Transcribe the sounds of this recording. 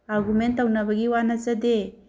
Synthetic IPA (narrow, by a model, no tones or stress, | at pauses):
aɾɡumentawnabaɡiwanat͡ʃade